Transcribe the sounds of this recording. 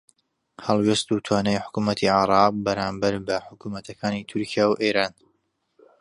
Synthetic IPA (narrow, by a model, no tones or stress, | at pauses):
hɐlˠwest̪ut̪ʰwaːnɛjħʊ̥kumɐt̪ʰiʕaɾˤɑːq̚bɐɾaːmbɐɾbɐħʊkumɐt̪ʰɐkʰaːnit̪ʰʊɾkʰijaːwʔeːɾaːn